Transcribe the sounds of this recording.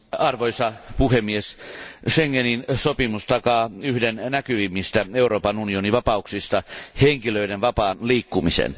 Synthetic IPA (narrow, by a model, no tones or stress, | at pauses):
ɑrʋoisɑpuhemːiesʃeŋːeninsopimust̪ɑkɑːyhdennækyʋimːist̪æeuroːpɑnunioniʋɑpɑuksist̪ɑheŋkiløidenʋɑpɑːnliːkːumisḛn